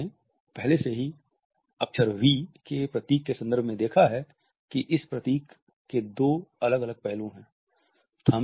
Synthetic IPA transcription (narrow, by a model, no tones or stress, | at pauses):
e | pɛɦleseɦi | ɐkʃəɾʋikepɾɐt̪iːkːesɐ̃nd̪əɾbʱmẽd̪eːkʰaɦɛ | kiʔɪspɾɐt̪iːkː | ed̪oːɐləɡɐləɡ̚pɛɦlõɦɛ̃ː | st̪ʰaːm